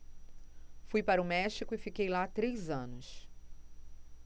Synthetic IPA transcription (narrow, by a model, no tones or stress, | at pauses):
fujpaɾɐʊmɛʃikʊɪfikejlat̪ɾejzɐ̃nʊs